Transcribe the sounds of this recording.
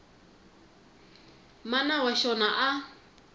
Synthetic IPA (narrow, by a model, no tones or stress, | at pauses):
manawaʃɔnaʔa